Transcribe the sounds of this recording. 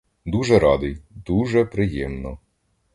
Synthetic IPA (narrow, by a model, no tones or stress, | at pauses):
d̪uʒɛɾɑd̪ɪjd̪uʒɛpɾɪjɛmnɔ